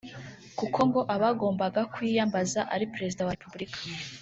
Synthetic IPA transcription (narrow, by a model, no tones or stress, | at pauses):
kukʰo̞ŋɡo̞ʔaβaɡo̞ːmbaɡakwiːjambazaʔaɾipeɾe̞zidawaepubɾikʰḁ